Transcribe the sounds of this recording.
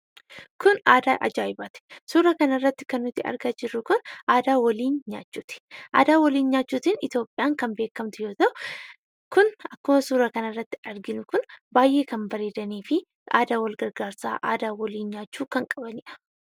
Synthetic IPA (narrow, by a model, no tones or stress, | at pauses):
kʊnaːd̪aːʔɐ̰d͡ʒaːɪbaːt̪ɛ̥suːɾɐkɐnɐrːɐt̪ːɪ̥kɐnːʊt̪ːɪʔɐ̰ɾɡaːd͡ʒɪɾːʊkʊnʔaːd̪aːwɔliːnɲaːt͡ʃːuːt̪ɪ̥ʔa̰ːd̪aːwɔliːnɲaːt͡ʃːuːt̪ɪnɪt̪jo̞ːpʼːɪjaːŋkɐmbe̞ːkːɐmt̪ʊjo̞ːt̪ɐʔʊ | kʊnɐkːʊmɐsuːɾɐkɐnɐrːɐt̪ːɪ̥ɐɾɡɪnʊkʊnbaːjʔe̞ːkɐnbɐɾeːd̪ɐniːfɪ | ʔa̰ːd̪aːwɐlɡɐɾɡaːɾsa̰ːʔa̰ːd̪aːwɔliːnɲaːt͡ʃːuːkɐŋkʼɐbɐnɪᶑɐ̥